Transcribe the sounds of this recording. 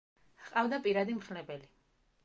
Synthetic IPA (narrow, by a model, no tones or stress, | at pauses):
hqʼavd̪apʼiɾad̪imɾnɛbɛli